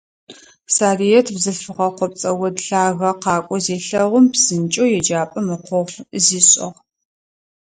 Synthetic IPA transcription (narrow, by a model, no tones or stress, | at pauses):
saːrijɛtʰbzɨɬfɨʁɐqʷɔp̚t͡sʼɐwɔdɬaːɣɐqɑːkʷʼɔzeːɬɐʁʷʊmpsɨnt͡ʃʼowjɛd͡ʒaːpʼɐmɨqʷɔʁziːɕʼɪ̰ʁ